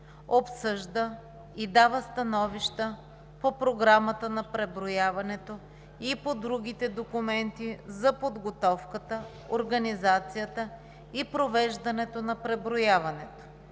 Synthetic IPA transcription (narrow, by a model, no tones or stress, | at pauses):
opsɤʒd̪ə | id̪avəst̪ɐnɔviʃt̪ə | popɾoɡɾamət̪ənɐpɾɛbɾojavɐnɛt̪o | ipod̪ɾuɡ̟ʲit̪ɛd̪okumɛnt̪izɐpod̪ɡot̪ɔfkət̪ə | oɾɡɐnizat̪sijət̪ə | ipɾovɛʒd̪ɐnɛt̪onɐpɾɛbɾojavɐnɛt̪o̥